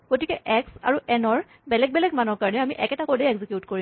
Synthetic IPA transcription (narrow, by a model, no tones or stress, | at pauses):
ɡ̥otikɛʔɛksa̰ɹuʔɛnɔɹ | bɛlɛɡ̚bɛlɛɡmanɔɹkaɹɔnɛamiʔɛkɛtakɔdeɛɡzikjutkoɹi